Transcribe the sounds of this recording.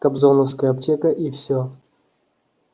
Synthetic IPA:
kɐbzonəfskəjəɐptʲekəʔifsʲo

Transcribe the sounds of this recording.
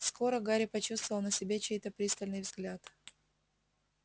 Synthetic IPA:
sko̞ɾəɡaɾʲɪpɐt͡ɕust̪vəvəlˠnəsʲɪbʲet͡ɕejt̪əpɾʲist̪əlʲnɨjvzɡlʲat̪

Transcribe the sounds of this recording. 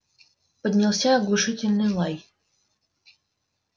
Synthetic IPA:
pədʲnʲɪlˠsʲaɐɡlˠʊʂɨtʲɪlʲnɨjlˠaj

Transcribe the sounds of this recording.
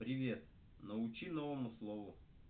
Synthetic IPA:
pɾʲɪvʲe̞t̪̚ | nəʊt͡ɕinovəmʊslˠovʊ

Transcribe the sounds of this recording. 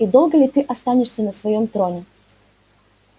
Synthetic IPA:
id̪o̞lˠɡəlʲɪt̪ɨʔɐst̪anʲɪʂsʲənəsvɐjomt̪ɾonʲɪ

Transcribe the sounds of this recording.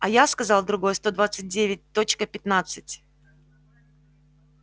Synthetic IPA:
ɐjaskɐzɑlˠd̪ɾʊɡo̞jəst̪o̞d̪vat̪sɨt̚ʲdʲevʲɪt̚ʲt̪o̞t͡ɕkəpʲɪt̪nat̪sɨtʲ

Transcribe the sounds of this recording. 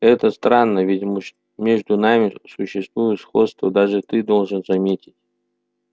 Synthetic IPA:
ɛt̪əst̪ɾanːəvʲɪtʲ | mʲeʐd̪ʊnamʲɪsʊɕːɪst̪vujʊt̪sxo̞t̪st̪vəd̪aʐɨt̪ɨd̪olˠʐɨnzɐmʲetʲɪ̥tʲ

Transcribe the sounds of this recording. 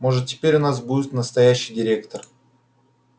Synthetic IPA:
mo̞ʐɨt̪̚tʲɪ̥pʲeɾʲʊnas̬budʲɪt̪nəst̪ɐjæɕːɪjdʲɪɾʲekt̪ər

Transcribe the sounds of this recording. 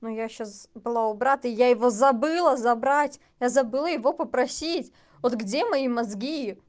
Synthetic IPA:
nujaɕːasbɨlˠaʊbɾat̪əɪjajɪvozɐbɨlˠəzɐbɾatʲ | jazɐbɨlˠəjɪvo̞pəpɾɐsʲitʲ | vot̪ɡdʲemɐimɐzɡʲi

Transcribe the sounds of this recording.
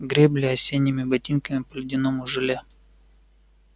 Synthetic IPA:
ɡɾʲeblʲɪɐsʲenʲːɪmʲɪbɐtʲinkəmʲɪpəlʲɪdʲɪnomʊʐɨlʲa

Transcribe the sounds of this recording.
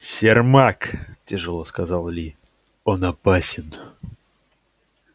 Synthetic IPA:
sʲɪrmaktʲɪʐɨlˠoskɐzalˠlʲi | onɐpasʲɪn

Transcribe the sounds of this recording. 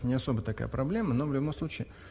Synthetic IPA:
nʲɪɐso̞bət̪ɐka̰jə̰pɾɐblʲe̞məno̞vlʲʊbo̞mslˠut͡ɕɪː

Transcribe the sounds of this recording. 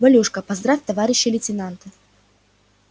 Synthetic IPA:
bɐlʲuʂkəpɐzd̪ɾafʲt̪ɐvaɾʲɪɕːɪlʲɪtʲɪnant̪ə

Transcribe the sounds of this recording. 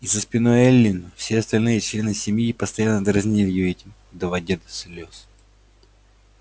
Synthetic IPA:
izəspʲɪnojɛlʲːinʊfsʲeɐst̪ɐlʲnɨjɛt͡ɕlʲe̞nɨsʲɪmjipəst̪ɐjanːəd̪ɾɐzʲnʲilʲɪjoɛtʲɪm | d̪ɐvadʲed̪əslʲos

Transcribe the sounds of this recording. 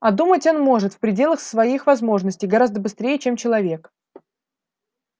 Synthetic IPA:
ɐd̪umətʲo̞nmo̞ʐɨt̪fpɾʲɪdʲe̞lˠəxsvɐixvɐzmo̞ʐnəsʲtʲɪjɡɐɾazd̪əbɨst̪ɾʲejɪt͡ɕe̞mt͡ɕɪlˠɐvʲe̞k

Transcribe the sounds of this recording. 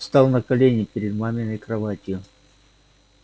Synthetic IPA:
st̪ɑlˠnəkɐlʲenʲɪɪpʲɪɾʲɪd̪mamʲɪnəkɾɐvatʲɪjʊ

